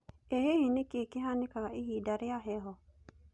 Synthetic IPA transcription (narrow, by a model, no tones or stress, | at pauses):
eɦehinɪkekɪɦanɪkakaʔiɦidaɾɪaɦɛɦɔ